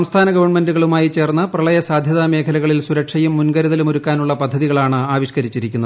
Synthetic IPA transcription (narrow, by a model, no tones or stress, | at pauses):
ɐmst̪ʰaːnɐɡɐʋɐɳme̞nduɣɐɭumaːjit͡ɕe̞ːrnːɐprɐɭɐjɐsaːd̪ʱjɐðaːme̞ːkʰɐlɐɣɐɭilsuɾɐkʂɐjumːunɡɐɾuðɐlumoɾukːaːnuɭːɐpɐd̪ʱːɐðiɣɐɭaːɳɨaːʋiɕkɐɾit͡ɕːiɾikʲːunːɐð